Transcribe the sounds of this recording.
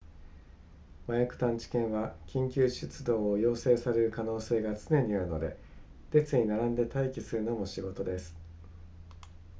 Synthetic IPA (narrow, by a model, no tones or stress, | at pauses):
majakɯ̟̥t̪ãɲ̟t͡ɕi̥kẽ̞ɰ̃βakʲĩŋkʲɨːɕɨt͡sɨd̪o̞ːojo̞ːse̞ːsaɾe̞ɾɯ̟kano̞ːse̞ːɡat͡sɨne̞ɲ̟iaɾɯ̟no̞d̪e̞̰ | t̪e̞t͡sɨɲ̟inaɾãnd̪e̞t̪aikʲisɨɾɯ̟no̞mo̞ɕiɡo̞t̪o̞d̪e̞sɨ̥